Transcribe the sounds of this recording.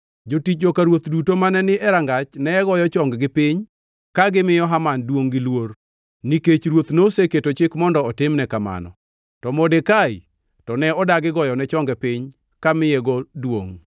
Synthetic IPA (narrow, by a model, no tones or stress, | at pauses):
d͡ʒotit͡ʃokaɾwot̪dutomanɛnɪʔɛɾaŋɡat͡ʃnɛɛɡɔjɔt͡ʃɔŋɡɡɪpɪɲ | kaɡɪmɪjɔɦamandwoŋɡɪlwor | niket͡ʃɾwot̪noseketot͡ʃɪkmɔndɔːtɪmnɛkama̰nɔ̰ | tɔmodekai | tɔnɛɔdaɡɪɡɔjɔnɛt͡ʃɔŋɡɛpɪɲ | kamɪjeɡɔdwo̰ŋ